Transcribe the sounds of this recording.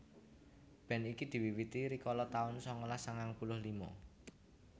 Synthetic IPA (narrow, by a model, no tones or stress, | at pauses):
b̥ɛ̤nikid̪̥i̤wiwit̪iɾikɔlɔt̪aʊnsɔŋɔlasaŋaŋpulʊhlimɔ̰